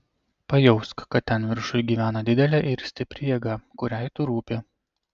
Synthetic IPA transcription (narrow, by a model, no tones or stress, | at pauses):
pɐjɛʊskkɐt̪̚t̪ʲːɛnʋʲɪɾʃʊjɡʲiːʋʲæːnɐd̪ʲɪd̪ʲɛlʲɛːʔɪɾsʲt̪ʲɪpʲɾʲɪjɛɡɑkʊɾʲæɪt̪ʊɾuːpʲɪ